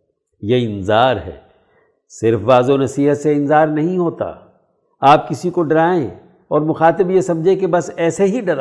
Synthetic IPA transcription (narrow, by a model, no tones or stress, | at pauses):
jeɪ̃nzaːɾɦɛ̰ː | sɪɾfʋaːzonɐsiːɦət̪seɪ̃nzaːɾnɐɦĩɦoːt̪a̰ː | aːp̚kɪsikoɖɐɾaːḛ̃ | ɔːɾmʊxaːt̪ɪbjesɐmd͡ʒʱẽkebɐsɛːseɦiɖɐɾa